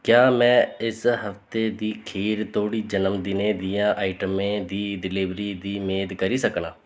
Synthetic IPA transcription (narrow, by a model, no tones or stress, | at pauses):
kjaːmɛ̃ːɪsɦəft̪eːd̪iːkʰiːɾt̪ʰoːɽiːd͡ʒənəmd̪ɪnẽːd̪ɪjãːʔaːiʈəmẽːd̪iːɖɪlɪʋɾiːd̪iːmeːd̪kəɾiːsəkɳãː